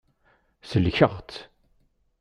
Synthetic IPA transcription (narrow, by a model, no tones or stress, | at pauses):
səlçəʁt̪